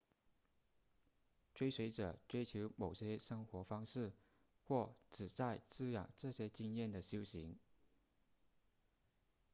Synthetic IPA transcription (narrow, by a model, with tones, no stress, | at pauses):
ʈ͡ʂwe˥ɪswe˧˥ɪʈ͡ʂɤ˨˩ʈ͡ʂwe˥ɪt͡ɕʰjo˧˥ʊmo˨˩ʊɕjɛ˥ʂɤ˥ŋxwɔ˧˥fɑ˥ŋʂɻ̩˥˩ | xwɔ˥˩ʈ͡ʂɻ̩˨˩t͡sa˥˧ɪt͡sɹ̩˥jɑ̰˨˩ŋʈ͡ʂɤ˥˩ɕjɛ˥t͡ɕi˥ŋjɛ˥˩nd̪ə˩ɕjo˥ʊɕi˧˥ŋ